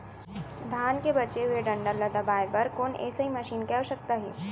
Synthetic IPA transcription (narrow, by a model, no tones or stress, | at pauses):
d̪ʱaːnkebɐt͡ʃeɦʊeɖɐ̃ɳɖəɾləd̪ɐbaːjpɐɾkoːnɛ̰ːsəɦiməʃiːnkɛɦoʃək̚t̪aɦɛ̰ː